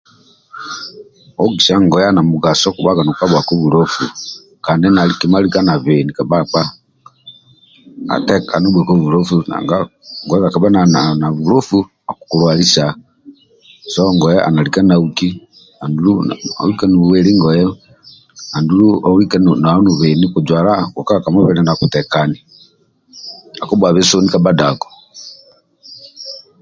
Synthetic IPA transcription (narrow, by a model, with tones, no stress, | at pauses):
o˦ɡi˨sa˦ŋɡɔ˨ja˦na˨muɡa˨sɔ˦ku˨βa˦ɡa˨nu˨ka˦βwa˨ko˦βu˨ɾo˦fu˨ | kaː˨ndi˦na˨likima˦li˦ka˦na˨βe˨ni˨ka˨βak͡pa˦ | a̰˨tɛ˦ka̰˨nu˦bwɛ˨ko˦βu˨lo˦fu˦na̰˨ŋɡa˦ŋɡɔ˨jɛ˦ka˨ka˨βa˦na˨na˨na˨βu˨ɾo˦fu˦ | a˨ku̥ku˨lwa˨li˦sa˨ | sɔŋɡɔjɛʔa̰˨na˨lika˦nauki | a˨ndulua̰˨wika˦nu˨βuwɛɾi˦ŋɡɔjɛ | a˨nduɾuowikanna˨˦nu˨βenikud͡ʒwaː˨laɡu˨ka˦akamɔ˦βɛɾɛnakutɛkani | a˨ku˦bwa˨βe˦so˦nikabadaɡɔ̥